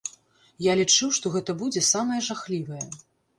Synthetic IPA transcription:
jalʲit͡ʂɨwʂt̪ɔɣɛt̪ɐbud͡zʲɛsamɐjɐʐaxlʲivɐjɛ

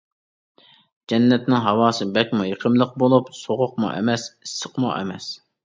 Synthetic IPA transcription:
d͡ʒɛnːɛt̪nɪŋɦɑwɑːsɨbɛkʲmujeqʰəmlˠəq̚bolˠupsoʁʊq̚mṵʔɛ̰mɛsisːə̥qmṵʔɛ̰mɛs

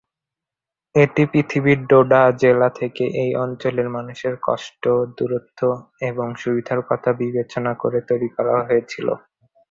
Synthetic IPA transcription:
eʈipɾit̪ʰibiɾɖoɖad͡ʑelat̪ʰekeʔejʔɔnt͡ɕoleɾmanuʃeɾkɔ̰ʃʈod̪uɾot̪ʰːoeboŋʃubid̪ʱaɾkɔt̪ʰabibet͡ɕonakoɾet̪oɾikɔɾa̰ɦoet͡ɕʰilo̰

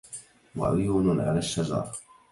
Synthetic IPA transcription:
wa̰ʕʊjuːnʕa̰laːʃːazɑ̰ːɾ

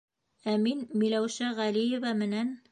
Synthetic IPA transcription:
æminmilæwʃæʁælijɘ̆vamɘ̆næn

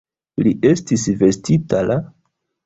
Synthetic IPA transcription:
liʔe̞stisve̞stitala

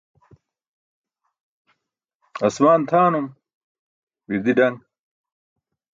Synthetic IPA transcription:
ɐsmaːnt̪ʰaːnum | wiɾd̪iɖɐŋɡ

